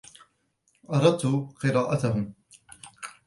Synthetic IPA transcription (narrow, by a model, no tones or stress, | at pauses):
ʔɑɾˤɑd̪̚t̪uqɨɾaːʔat̪aɦʊm